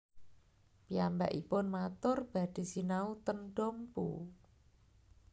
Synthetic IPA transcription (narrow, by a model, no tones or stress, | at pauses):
piamba̰ʔipʊnmat̪ʊrb̥a̤d̪̥i̤sinaut̪ənɖ̥ɔmpṵ